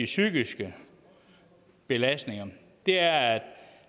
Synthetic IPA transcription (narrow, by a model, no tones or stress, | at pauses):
isyɡ̥isɡ̥ə | b̥e̝læsd̥ne̝ŋɐ | d̥e̝æɐæd̥